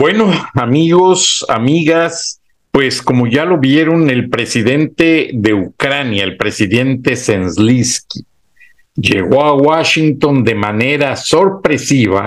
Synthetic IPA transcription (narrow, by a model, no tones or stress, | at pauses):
bwe̞noamiɣo̞sa̰miɣas | pwe̞sko̞mo̞ʝalo̞βje̞ɾo̞ne̞lpɾe̞siðe̞nt̪e̞ðe̞ukɾanjaelpɾe̞siðe̞nt̪e̞senzliski | ʝe̞̰ɣo̞awaʃint̪o̞nd̪e̞mane̞ɾaso̞ɾpɾe̞siβa̰